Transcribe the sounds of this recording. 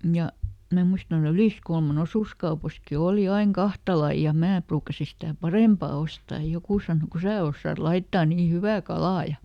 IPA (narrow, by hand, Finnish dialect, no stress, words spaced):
jɑ mæ muistɑn tuɑl̆ yliskulmɑn osuskɑupɑski oˑli ɑiŋ kɑhtɑ lɑi jɑ mæː pruːkɑsi sitæˑ pɑreˑmpɑ ostɑːj jɑ jokuˑ sɑˑno ku sæː osːɑːt lɑitːɑː niː hyʋæ kɑlɑː jɑ